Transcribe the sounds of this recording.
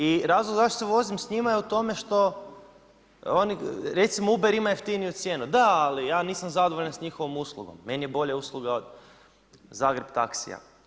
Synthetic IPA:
iɾaːzlˠoɡzaʃt̪oseʋo̞zimsɲimajeut̪o̞me̞ʃt̪o̞ | oniɾet̪simoubeɾimajeft̪inijut̪sje̞ːnud̪aalijaːniːsamzad̪oʋoʎansɲixo̞ʋomuslˠuɡo̰mːe̞nijebo̞ʎeuslˠuɡao̞d̪ | zaːɡɾe̞bt̪aksḭja̰

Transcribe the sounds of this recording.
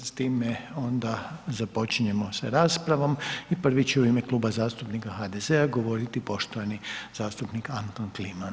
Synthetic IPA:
st̪iːmeo̞nd̪azapo̞t͡ʃiɲe̞mo̞seɾaːspɾaʋo̞mipr̩ʋit͡ɕeuimeklˠuːbazaːst̪upnikaɦad̪e̞zeaɡo̞ʋo̞ɾit̪ipo̞ʃt̪oʋaniz̥aːst̪upnikant̪onkliman

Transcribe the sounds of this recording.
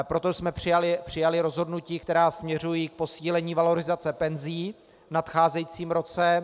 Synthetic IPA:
pɾo̞t̪osmɛpr̝̥ɪjalɪpr̝̥ɪjalɪɾo̞zɦo̞dnuciːk̚t̪ɛɾaːsmɲɛr̝ujiːk̚po̞siːlɛɲiːvalo̞ɾɪzat͡sɛpɛnziː | vnat̪xaːzɛjit͡siːmɾo̞t͡sɛ

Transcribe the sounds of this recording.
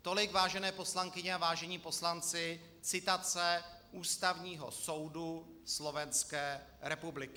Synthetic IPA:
t̪o̞lɪɡvaːʒɛnɛːpo̞slaŋkɪɲɛavaːʒɛɲiːpo̞slant͡sɪ | t͡sɪt̪at͡sɛʔuːst̪avɲiːɦo̰so̞wdu | slo̞vɛnskɛːɾɛpublɪkɪ

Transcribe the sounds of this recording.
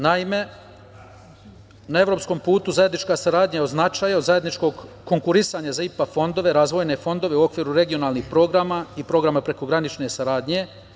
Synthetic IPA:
naime̞ | nae̞ʋɾo̞psko̞mpuːt̪uzaje̞d̪nit͡ʃkasaɾaːd̪ɲaeod̪znat͡ʃaːjao̞d̪zaje̞d̪nit͡ʃko̞ɡko̞ŋkuɾisaɲazaipafo̞nd̪o̞ʋe̞ɾaːzʋo̞jne̞fo̞nd̪o̞ʋe̞uo̞kʋiːɾuɾe̞ɡio̞naːlˠnixpɾo̞ɡɾamaipɾo̞ɡɾamapɾe̞ko̞ɡɾanit͡ʃne̞saɾaːd̪ɲe̞

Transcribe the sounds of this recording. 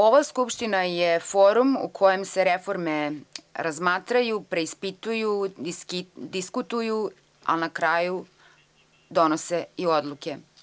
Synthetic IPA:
o̞ʋaskupʃt̪inajefoːɾumṵkʰo̞jemse̞ɾefo̞ɾme̞ɾazmaːt̪ɾajupɾe̞ispit̪uju | d̪iskut̪uju | a̰nakɾaːju | d̪o̞noseiod̪lˠuke̞

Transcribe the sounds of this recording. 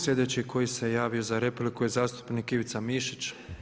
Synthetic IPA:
sʎʲe̞d̪e̞t͡ɕikʰo̞jise̞jaːʋio̞zaɾe̞plikujezaːst̪u̥pnikiʋit̪samiʃit͡ɕ

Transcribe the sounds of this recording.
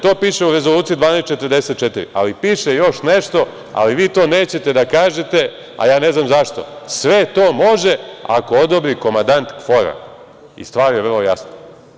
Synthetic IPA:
t̪o̞ːpiːʃeuɾe̞zolˠuːt̪siud̪ʋaːnest̪t͡ʃet̪ərd̪e̞set̪̚t͡ʃet̪iɾḭʔa̰lipiːʃejo̞ʃneʃt̪o̞ | a̰liʋiːt̪o̞ːneːt͡ɕe̞t̪e̞d̪akaːʒet̪e̞ | a̰jaːne̞znamzaʃt̪o̞̰sʋet̪o̞ːmo̞ʒea̰ko̞od̪obɾiko̞mand̪ant̪kfo̞ɾa̰ | ḭst̪ʋaːɾjeʋərlˠoja̰sno

